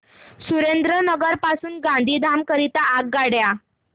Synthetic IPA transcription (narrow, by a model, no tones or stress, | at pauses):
suɾend̪ɾənəɡəɾpasuːnɡãnd̪ʱiːd̪ʱamkəɾit̪aːk̚ɡaɽja